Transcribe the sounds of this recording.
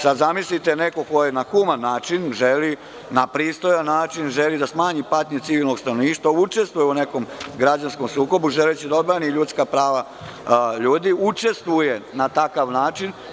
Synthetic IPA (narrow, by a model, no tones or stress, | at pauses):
sad̪zamislit̪ene̞ko̞ko̞jenaxumanːaːt͡ʃinʒeli | napɾiːst̪o̞janːaːt͡ʃinʒelid̪asmaːɲipat̪ɲet̪siʋilno̞ɡst̪anoniːʃt̪ʋaut͡ʃe̞st̪ʋujeune̞ko̞mɡɾad͡ʑansko̞msuːko̞buʒelet͡ɕed̪aod̪bɾaniʎut̪skapɾaːʋa | ʎuːd̪iut͡ʃe̞st̪ʋuje̞nat̪akaʋnaːt͡ʃin